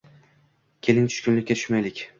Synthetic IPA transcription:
kʲʰe̞lɪnt͡ʃʰʊ̥ʃkʲʊnlɪkʲːat̪ʰʊ̥ʃmajlɪkʲ

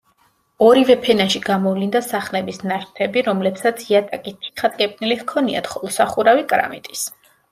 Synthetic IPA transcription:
ɔɾivɛpʰɛnaʃiɡamɔvlind̪asaχnɛbisnaʃt̪ʰɛbiɾɔmlɛpsat̪sʰiat̪ʼakʼit̪ʰi̥t̪χad̪ʼkʼɛpʼnilihkʰɔnia̰t̪χɔlˠɔsaχuɾavikʼɾa̰mit̪ʼis

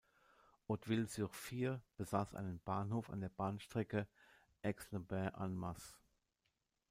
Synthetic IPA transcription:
ʔɔtv̥ɪlzyʁfiːb̥əzaːsʔa̰ɪnənb̥aːnhoːfa̰ndeːɐbaːnʃtʁ̥ɛkə | ʔɛksləbɛɐʔanmas

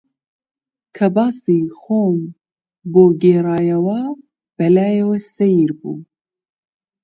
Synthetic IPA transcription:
kʰɐbɑːsixoːm | boːɡeːɾɑːjɐwa | b̥ɛlaːjewɛsɛjiɾbṵː

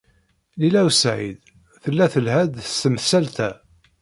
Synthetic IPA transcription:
lilæwsʕḭd̪ | θəlːæθəlhæd̪səmθsælt̪æ

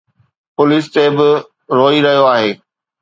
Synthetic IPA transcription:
pʊlɪːs̬t̪eːbɪ | ɾoːiɾɐɦijoaːɦeː

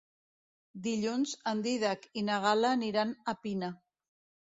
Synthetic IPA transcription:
d̪iʎunzand̪iðakinaɣ̞alaːniɾanapina

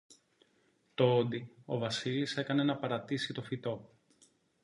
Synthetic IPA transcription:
t̪o̞od̪io̞vɐsilise̞kɐne̞nɐpɐɾɐt̪isit̪o̞fit̪o̞

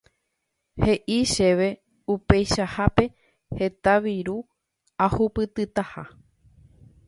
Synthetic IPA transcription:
he̞ʔiʃe̞ʋe̞ | upe̞jʃahape̞ | he̞t̪aʋiɾu | ahupɨt̪ɨt̪aha

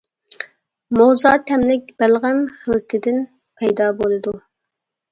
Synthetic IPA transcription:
mowzɑːt̪ʰɛmlɪkʲb̥ælʁæmχəlˠt̪ʰɨd̪ɪn | pʰɛjd̪ɑbolˠɨd̪u

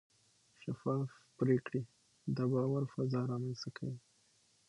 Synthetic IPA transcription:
ʃafɑfpɾekɽi | d̪əbɑwaɾfazɑɾɑmanst̪akʰa̰wi

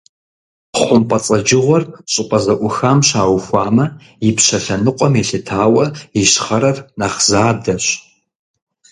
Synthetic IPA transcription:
χʷʊmpʼɐt͡sʼɐd͡ʒɪʁʷɔrɕʼɪpʼɐzɐʔʷʊxaːmɕaːwxʷɑːmɐ | jɪpɕɐɬɐnɨqʷʼɔmeɬɨtʰaːwɐjɪɕχɐɾɐrnaːχzaːdɐɕ

